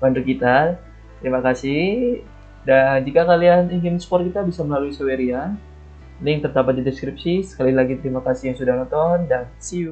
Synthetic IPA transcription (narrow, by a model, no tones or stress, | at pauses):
bandukit̪a | t̪əɾimakasɪh | dand͡ʒikakalianiŋɪnskpɔrkit̪abisaməlaluisaweɾia | najaŋt̪ərd̪abat̪̚didɛskɾip̚sisə̥kalilaɡit̪əɾimakasɪhjaŋsudahnɔnt̪ɔndansi